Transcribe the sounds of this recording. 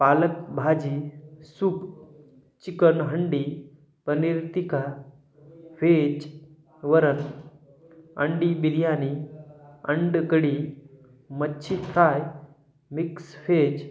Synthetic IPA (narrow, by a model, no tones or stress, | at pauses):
paːlək̚bʱaːd͡ʒisup | t͡ʃikənɦəɳɖiː | pəniɾt̪ika | fʰet͡ʃ | ʋəɾən | ə̰ɳɖibiɾijani | əɳɖkəɽi | mətːɕʰik̪ʰɾaːj | miksfed͡ʒ